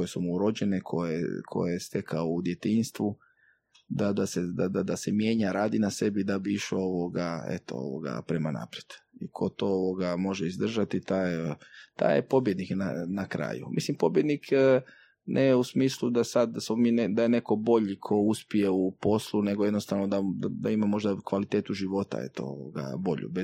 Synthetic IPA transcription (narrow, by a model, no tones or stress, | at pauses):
ojesumuɾo̞d͡ʑe̞nekʰo̞jḛkʰo̞̰jeest̪e̞kʰaoud̪je̞t̪inst̪ʋu | d̪ad̪ased̪ad̪ad̪asemje̞ːɲaɾaːd̪inase̞bid̪abiiʃooʋoɡaḛt̪o̞̰o̰ʋo̰ɡa̰pɾemana̰ːpɾjed̪̥ikʰo̞t̪o̞oʋoɡamo̞ʒeizd̪r̩ʒat̪it̪aːjt̪a̰ːjepo̞bje̞d̪nikna̰nakɾa̰ːjṵmʔḭslimpo̞bje̞d̪nikʰ | nʔejusmiːslˠud̪asad̪smomiːned̪aje̞ne̞ko̞bo̞ʎikʰo̞uspije̞upo̞slˠune̞ɡojed̪no̞st̪aʋno̞d̪aad̪aimamo̞ʒd̪akʋalit̪eːt̪uʒiʋo̞t̪a̰ḛt̪o̰o̰ʋo̰ɡa̰bo̞ʎṵbe